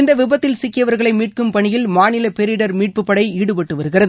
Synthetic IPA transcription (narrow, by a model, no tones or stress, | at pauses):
ɪnd̪ɐʋɪbɐt̪ːɪlsɪkːɪjɐʋɐɾɣɐɭɐɪmiːʈ̚kɯmpɐɳɪjɪlmaːnɪlɐpɛɾɪɽɐɾmiːʈ̚pɯpːɐɽɐɪiːɽɯpɐʈːɯʋɐɾɯɣɪrɐðɯ